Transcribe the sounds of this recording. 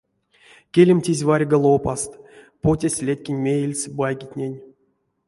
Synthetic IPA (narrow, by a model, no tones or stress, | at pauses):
kʲelʲemʲtʲizʲvarʲɡəlˠopast̪ | potʲasʲlʲet̪ʲkʲinʲmʲejelʲsʲbajɡʲitʲnʲenʲ